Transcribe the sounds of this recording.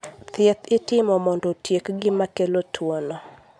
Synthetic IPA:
t̪jet̪ɪtɪmɔmɔndɔtjekɡɪmakelotʰwonɔ

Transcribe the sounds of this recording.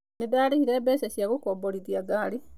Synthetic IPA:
nidaːlihiɾeːbesesjakukoboliðjaɡaːli

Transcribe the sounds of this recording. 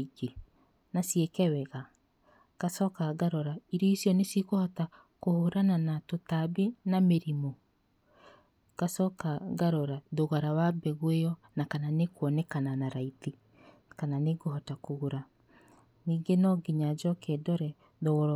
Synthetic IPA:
ɡe | nasiekɛwɛɣa | kasɔkaɣaɾɔɾaiɾiisjɔnesikohɔta | kohoɾananatotabenameɾimo | ɡ̥asɔkaɡaɾɔɾaðoɣaɾawabɛɣwejɔ | nakananekwɔnɛkananaɾaiti | kananeɡohɔtakoɣoɾa | niːŋɡenɔɡiɲad͡ʒɔkedɔɾɛ | ðoɣɔɾ

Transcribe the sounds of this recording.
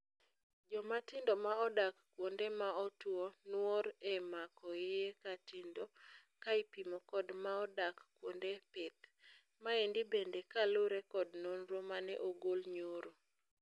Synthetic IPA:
d͡ʒɔmatɪndɔmaɔdakkːwondemaɔtwɔnwɔɾɛmakɔeekatɪndɔkaipimɔkɔdmaɔdakkwondepet̪̚ | maendɪbendekaloɾɛkɔdnonɾomanɛ̰ʔoɡolɲoɾo

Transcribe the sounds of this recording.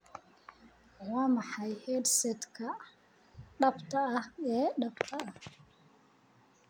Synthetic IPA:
wɑːmɑħɑjhɛdsɛd̪kʰɐ | ɖɐbt̪ʰɐɐhɛːɖɐbt̪ʰɐɐh

